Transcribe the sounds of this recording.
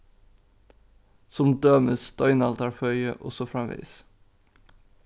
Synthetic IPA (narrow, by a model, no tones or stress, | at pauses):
sɔmd̪øːməsd̪̥œʏnɑlt̪ɑɹfœʏəʔɔ̰sɔfɹɑmʋḭːs